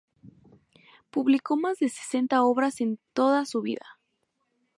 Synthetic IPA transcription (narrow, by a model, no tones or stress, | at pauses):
puβliko̞mazðese̥se̞nt̪ao̞βɾase̞nt̪o̞ðasuβḭða̰